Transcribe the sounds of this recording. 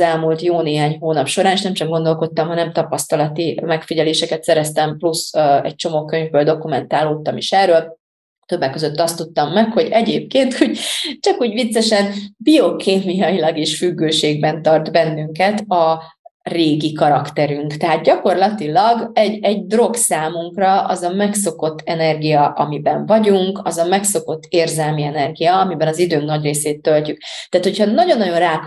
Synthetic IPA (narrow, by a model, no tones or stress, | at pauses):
ɛlmuːlt̪joːneːɦaːɲɦoːnɒpʃo̞ɾaːniʃnɛmt͡ʃɒɡ̚ɡo̞nd̪o̞lko̞t̪ːɒmɦɒnɛmt̪ɒpɒst̪ɒlɒt̪imɛkfiɟɛleːʃɛkɛt̪sɛɾɛst̪ɛmplusɛ̰c̚t͡ʃo̞moːkø̞ɲvbøːld̪o̞kumɛnt̪aːloːt̪ːɒmiʃɛrːøːl | t̪øbːɛkːø̞zøt̪ːɒst̪ːut̪ːɒmːɛkho̞ɟɛɟeːp̚keːnt̪huɟt͡ʃɒkuːɟʋit̪sːɛʃɛnbio̞kʰeːmijɒjilɒɡeːʃfyɡːøːʃeːɡbɛnt̪ɒrt̪bɛnːyŋkɛt̪ɒ | reːɡikɒɾɒkt̪ɛɾyŋkt̪ɛɦaːt̪̚ɟɒko̞rlɒt̪ilɒɡɛɟɛɟd̪ro̞ksaːmuŋkrɒɒ̰zɒmɛkso̞ko̞t̪ːɛnɛrɡijɒʔɒmibɛɱvɒɟuŋkɒzɒmɛkso̞ko̞t̪ːeːrzɛlmiɛnɛrɡijɒɒmibɛnɒzid̪øːŋknɒɟreːseːt̪ːølcyk̚t̪ːaːt̪hochɒnɒɟo̞nːɒɟo̞nraːk